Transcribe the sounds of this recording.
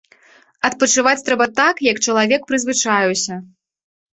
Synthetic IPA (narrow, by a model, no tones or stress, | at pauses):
ɐt̪̚pɐt͡ʂɨvat͡sʲt̪ɾɛbɐt̪akjɐkt͡ʂɐlˠavʲɛkpɾɨzvɨt͡ʂajɛwsʲɐ